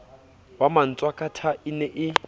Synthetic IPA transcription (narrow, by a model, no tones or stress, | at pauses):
waman̩t͡sʼwakʼatʰaɪnɛʔɪ